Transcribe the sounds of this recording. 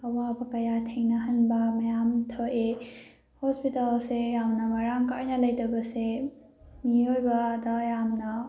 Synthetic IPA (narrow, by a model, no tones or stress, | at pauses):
ɐwabɐkɐjatʰejnɐɦɐnbɐmɐjamtʰoʔe | hɔspitalsejamnɐmɐɾaŋkajnɐlɐjtɐbɐse | miojbɐːdɐjamnɐ